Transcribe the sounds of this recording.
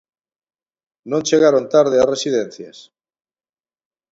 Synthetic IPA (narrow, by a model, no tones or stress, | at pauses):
nõnʲt͡ʃeɣaɾont̪aɾð̞earesiðen̟θjas